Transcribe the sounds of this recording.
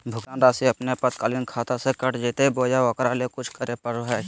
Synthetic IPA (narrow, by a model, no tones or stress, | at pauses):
bʱʊkt̪ãːnd̪aːsiɐpnepət̪kaːlinkʰaːt̪asekəʈd͡ʒet̪eboːjaɔkɾalekʊt͡ʃʰkəɾepəɾoɦɛː